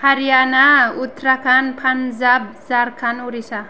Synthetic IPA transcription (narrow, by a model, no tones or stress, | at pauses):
haɾianaut̪ɾakanpʰanzab̚zaɾkʰanuɾisa